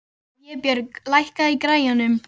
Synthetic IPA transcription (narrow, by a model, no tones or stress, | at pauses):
jɛpjœɾlajhkaikɾaːjanʏm